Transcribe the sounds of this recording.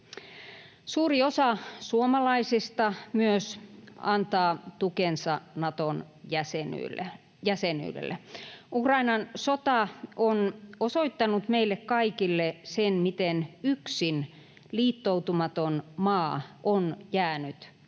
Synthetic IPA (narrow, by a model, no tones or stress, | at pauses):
suːriosɑsuomɑlɑisist̪ɑmyøsɑnt̪ɑːt̪ukensɑnɑt̪on | jæseny̰lːḛ | jæseny̰ːlḛlːʔḛukrɑinɑnsot̪ɑʔonosoit̪ːɑnut̪meilːekkɑikilːesenmit̪enyksin | liːt̪ːout̪umɑt̪onmɑːʔonjæːnyt̪